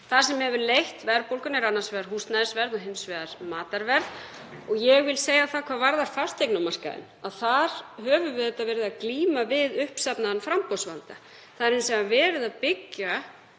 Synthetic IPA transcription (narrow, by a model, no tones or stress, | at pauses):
θḁsɛmːɛhɛvʏɾlejht̪vɛɾpowlkʏnɛɾanːḁsvɛðaɾ̥ɦust̪naðsvɛɾðɔɦɪmsvɛðaɾ̥maːt̪aɾvɛɾð | ɔɣjɛɣvɪlseːjaθaðkʰvaːðvaɾðaɾ̥fḁst̪ejknamar̥ska̰ðɪ̰naðθaɾ̥hœːvʏvɪðɪt̪ːaðvɛːɾɪðaðkliːmavɪðʏhpsapnaðnfɾampɔwsvalt̪a | θaðɾejnsɛmavɛːɾɪðaðpɪcːa